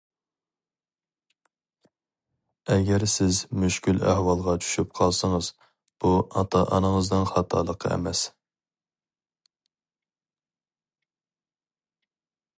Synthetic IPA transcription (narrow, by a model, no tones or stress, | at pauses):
ɛɡʲɛɾsɪzmyʃkʲylæ̰hwɑlˠʁɑt͡ʃʰy̥ʃyp̚qʰɑlˠsəŋəz | b̥uɑt̪ʰɑʔɑ̰nəŋəzd̪ɨnχɑt̪ʰɑlˠəqʰə̰ɛ̰mɛs